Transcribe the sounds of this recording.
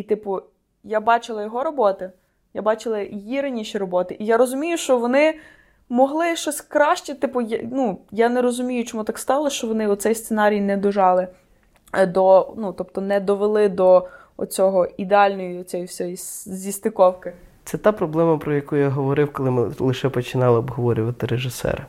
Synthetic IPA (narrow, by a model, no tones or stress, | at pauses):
it̪ɪpʊ | jabɑt͡ʃɪlˠɐjɔɦɔɾɔbɔt̪ɪ | jabɑt͡ʃɪlˠɐjiɾɪnʲiʃiɾɔbɔt̪ɪʔijaɾɔzʊmʲijʊʃt͡ʃɔʋɔnɪ | mɔɦlˠɪʃt͡ʃɔsʲkɾɑʃt͡ʃit̪ɪpʊjnujanɛɾɔzʊmʲijʊt͡ʃɔmut̪ɑkst̪ɑlˠɐʃt͡ʃɔʋɔnɪɔt̪sɛjst̪senɑɾʲijnɛd̪ɔʒɑlˠɪ | d̪ɔnut̪ɔpt̪ɔnɛd̪ɔʋelˠɪd̪ɔ | ɔ̰t͡sʲɔɦɔid̪eɑlʲnɔjiɔt͡sʲɔjsʲɔjizʲist̪ɪkɔwkɪ | t̪sɛt̪ɑpɾɔblˠɛmɐpɾɔjɐkujjaɦɔʋɔɾɪwkɔlˠɪmɪlˠɪʃɛpɔt͡ʃɪnɑlˠɪɔbɦɔʋɔɾʲʊʋɐt̪ɪɾeʒɪsɛ̰ɾ